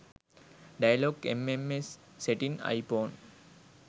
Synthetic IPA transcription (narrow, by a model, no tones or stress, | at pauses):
ɖajɐloːɡḛmemesː | eʈĩna̰jpõːn